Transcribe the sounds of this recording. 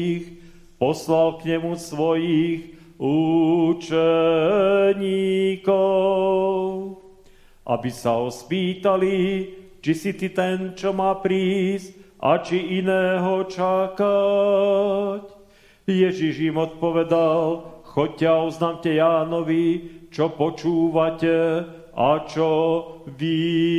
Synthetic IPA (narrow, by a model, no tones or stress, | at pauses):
x | pɔslalkɲɛmusʋɔjix | uːt͡ʃɛ | ɲikɔ | ʊʊ | ʔa̰bisaɔspiːt̪alit͡ʃisit̪it̪ɛnt͡ʃɔmaːpɾiːsc̚a̰t͡ʃiinɛːɦɔt͡ʃaka | c | jɛʒiʒimɔt̪̚pɔʋɛd̪alxɔc̚cːɛauznaːmcɛjaːnɔʋit͡ʃɔpɔt͡ʃuːʋacɛ | at͡ʃɔʋi